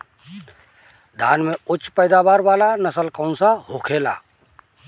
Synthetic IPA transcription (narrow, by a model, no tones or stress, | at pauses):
d̪ʱa̰ːnmeʊt͡ʃːpəɪd̪abaːɾʋaːlanəsəlkə̃ʊ̃nsahokʰela̰ː